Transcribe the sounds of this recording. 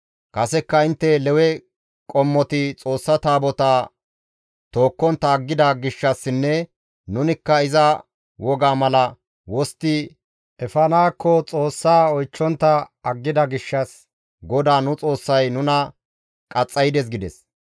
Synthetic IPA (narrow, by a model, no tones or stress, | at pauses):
kɐsɛkːɐɪnt̪ːɛlɛwɛ | kʼɔmːɔt̪ɪt͡sʼo̞ːsːɐt̪aːbɔt̪aː | t̪o̞ːkːɔnt̪ːɐːɡːɪd̪ɐɡɪʃːɐsːɪnːɛ | nʊnɪkːɐɪzɐ | wɔɡaːmɐlɐ | wɔst̪ɪ | ʔɛfɐnaːkːɔt͡sʼo̞ːsːaːɔjt͡ʃːɔnt̪ːɐɐɡːɪd̪ɐɡɪʃːɐs | ɡɔd̪aːnʊt͡sʼo̞ːsːɐjnʊnɐ | kʼɐt͡sʼːɐjd̪ɛs̬ɡɪd̪ɛs